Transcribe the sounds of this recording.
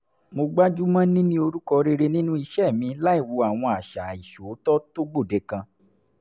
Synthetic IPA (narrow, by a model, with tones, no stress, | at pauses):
mo˧ɡ͡ba˦d͡ʒu˦mã˦nĩ˦nĩ˦o˧ɾu˦kɔ˧ɾe˧ɾe˧nĩ˦nũ˦i˧ʃɛ˦˨mĩ˨˧˦la˦i˦˨wo˨˧a˨w̃ɔ̃˧a˨ʃa˨i˨ʃo˨˦tɔ˦to˦ɡ͡bo˦˨de˨˧˦kã˧